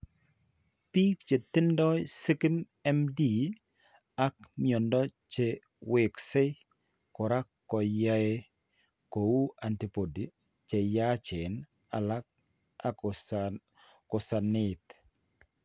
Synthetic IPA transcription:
pi˦kt͡ʃe˨t̪ɪ˦ndɔ˦si˦ki˦n | ɛ˦mdi˨ | a˦k̚mjɔ˨ndɔ˦t͡ʃe˨ | wɪ˨ksɪ˦ | kɔ˨ɾa˦kːɔ˨ja˦e˦ | ko˨u˦a˨nti˨po˨di˨ | t͡ʃe˨ja˦t͡ʃɪ˨n | a̰˨la˦k̚ | a˨ | kɔ˨sa˨nɪ˨t̪

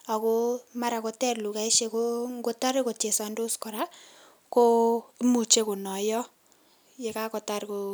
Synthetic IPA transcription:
a˨ko˦ma˦ɾa˨ko˨tɛ˦rlu˨ka˨e˦ʃe˧ko˦ŋɡo˦ta˦ɾe˦ko˨te˨sa˨ndo˦skɔ˨ɾa˦ | ko˦mu˨t͡ʃe˦ko˨nɔ˨jɔ˦ | je˨ka˦kɔ˨ta˦ɾko˨

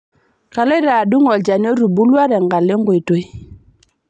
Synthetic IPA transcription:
ka˨lɔ˦ɾa˨du˦ŋɔ˨ld͡ʒa˨n˦o˦ɾu˨bu˦lwa˦ɾɛ˨ŋɡa˨le˦ŋɡo˨i˨to˦j

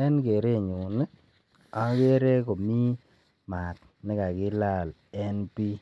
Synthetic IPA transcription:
ɛ˦nke˨ɾe˦˨ɲu˨nɪ˦ | a˦ke˦ɾe˦ko˨mi˦ | ma˨t̪̚ | nɪ˦ka˨kɪ˦la˦˨l | ɛ˦npi˦

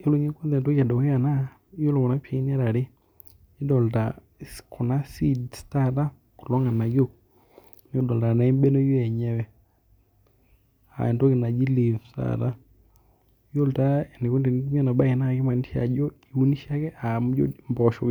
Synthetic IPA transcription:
o˦lo˨˦ɲɛ˦ko˦nðɛ˨nto˦ka˨dɔ˨wɛ˦a˨na˦ | jo˦lo˨kɔ˨na˦pja˨i˦n˦a˦ɾa˨ɾe˦ | i˦dɔ˨lta˨ | sko˨na˦si˦dsta˦ta˦ | ko˨lɔ˦ŋa˨na˨ɡjo˦˨ | n˦o˦dɔ˨lta˨na˨e˦mbɛ˦nɔ˦jo˦ɛ˨ɲɛ˦wɛ˦˨ | a̰˨ɛ˨ndo˦kɪ˨na˨d͡ʒi˦li˨fsta̰˦ta˦ | jo˦lta˦ɛ˨ne˨ko˦nde˨n˦m˦ɛ˦na˨ɓa˦ɛ˨na˦˨ke˦ma˨ni˦ʃa̰˨d͡ʒɔ˦i˨u˦ni˦ʃa˦kɛ˦ʔa˨m˦d͡ʒɔ̰˦mbɔʃo˨k

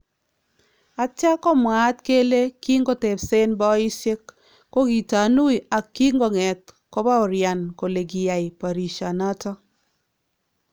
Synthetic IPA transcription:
a˨t͡ʃa˦kɔ˦mwa˨˦t̪ke˦le˦ki˦ŋɡɔ˦te˨pse˦nbɔ˦i˦sɪ˦kː | o˦ɡi˨ta˨nu˦i˨a˨kːi˦ŋɡɔ˨ŋɛ˨t̪̚kɔ˦ba˦ɔ˨ɾja˨nko˨le˨ɡi˨ja˨ɪ˨pa˨ɾi˨ʃa˨na˦tɔ˦

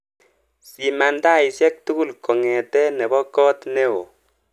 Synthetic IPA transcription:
si˨ma˨nda˦˨i˨sɛ˦k̚tu˦ɡu˦lkɔ˨ŋɛ˨tɛ˦nɛ˨bɔ˦kɔ˦t̪nɛ˦o̰˨

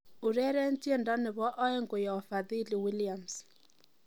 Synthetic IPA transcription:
ʊ˨ɾɛ˦ɾɛ˦n˦ti˦e˦˨nda˦nɪ˨βɔ˦ʔɔ˦ɛ˦ŋɡo˨ja˨fa˨ði˦li˨wi˦lia˨ms

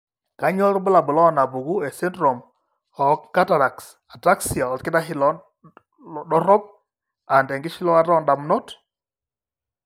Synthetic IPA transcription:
ka˨˦ɲɔ˦ɾbʊ˦la˨bʊ˨lɔ˦˨na˨bu˨ɡu˦ɛ˨sɛ˦ntɾɔ˨m | ɔ˨˦kka˦ta˨ɾa˨ks | a˨ta˦ksi˨a˨ɔ˨tkɪ˦da˦ɦi˦lɔ˦ | ɗɔ˦ɾɔ˦p̚ | a˨ndɛ˨ŋɡɪ˦ʃi˦lɔ˦a˦ɾɔ˦nda˨mno˦t

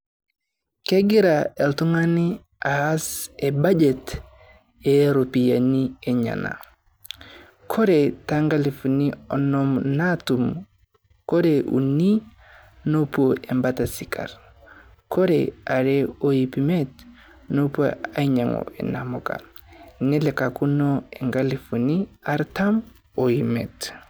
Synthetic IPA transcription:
ke˦ɡi˦ɾa˨e˨ltu˦ŋa˦ni˦ | a˨a˦se˨ba˦d͡ʒe˨t | e˨˦ɾo˨pi˨ja˨ni˦e˨ɲa̰˨na̰˨ | kʰo˦ɾe˨ta˦ŋɡa˦li˨fu˨ni˦ɔ˨nɔ˦mna˦tu˨m | ko˦ɾe˨ʔṵ˨ni˦ | no˦poʔɛ˨mba˦ta˨si˨kʰa̰˨ɾ | kʰo˦ɾḛa˨ɾe˦o˨ji˨pime˦t | no˦poa˦ɲa˨ŋo̰˨ɛ̰˨na˨mɔ˨ka̰˨ni˦lɛ˨ka˨ku˦no˦e˨ŋɡa˦li˨fu˨ni˦a˦ɾta˦m | o˨imḛ˨t

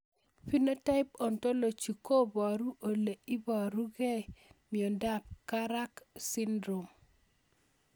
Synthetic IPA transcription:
fi˦no˦ta˦ɪ˦pɔ˨nto˦lo˨t͡ʃu˨ko˦bɔ˨ɾu˦ʔo˨le˨i˦bɔ˨ɾu˦ɡe˦mi˨o˨nda˦p̚ka˦ɾa˦ksi˦ndɾo˨m

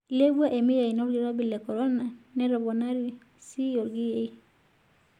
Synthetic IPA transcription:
le˦bu˦a˦ʔe˨mi˦je˨i˨nɔ˦ɾɡi˨ɾɔ˦bi˨lɛ˨kɔ˨ɾɔ˦na˨nɛ˦ɾɔ˨bɔ˨na˦ɾi˦ | si˦jɔ˨ɾɡi˦je˨˦i˦

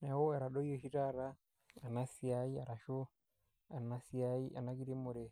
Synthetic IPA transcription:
na˨wo˦ɛ˨ɾa˨ɗo˦i˦o˦ʃi˦ta˦ɾa˦ | a˨na˦siai˦a˨ɾa˨ʃo˦ | a˨na˦si˦a˦i˦ʔa̰˨na˦ki˦ɾi˦mu˨ɾe˨

